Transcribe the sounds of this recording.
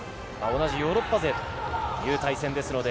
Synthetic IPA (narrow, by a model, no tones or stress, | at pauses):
mao̞naʑijo̞ːɾo̞pːaze̞t̪ojɯ̟ːt̪aisẽnd̪e̞sɨno̞d̪e̞